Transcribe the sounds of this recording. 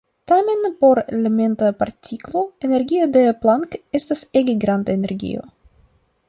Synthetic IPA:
tame̞npo̞ɾeleme̞ntapaɾtʰiklo̞e̞ne̞ɾɡio̞de̞plaŋke̞staseɡeɡɾandaene̞ɾɡḭo̞̰

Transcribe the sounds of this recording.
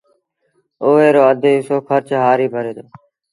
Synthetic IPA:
oːeːɾoːəd̪ʱeːɪsoːkʰəɾt͡ʃɦaːɾiːbʱəɾeːd̪oː

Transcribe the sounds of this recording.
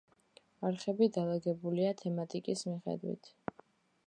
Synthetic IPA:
aɾχɛbid̪alˠaɡɛbuliat̪ʰɛmat̪ʼikʼismiχɛ̰d̪wḭt̪ʰ

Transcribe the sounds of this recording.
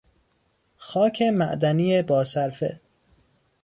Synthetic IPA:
xɒːcʰemæʔd̪æniːebɒːsæɾfḛ

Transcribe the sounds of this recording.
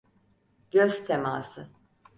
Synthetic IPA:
ɟ̥øzt̪ʰemaːsɯ

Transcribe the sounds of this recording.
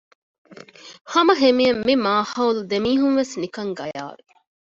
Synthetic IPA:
hɐmɐɦemiɐmːimaːhɐwld̪emiːɦuŋʋesnikɐŋɡɐja̰ːɾu

